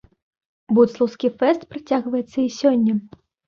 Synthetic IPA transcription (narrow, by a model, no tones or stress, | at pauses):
but̪slˠɐwskʲifɛst̪pɾat͡sʲaɣvɐjɛt̪sːɐisʲɔnʲːɐ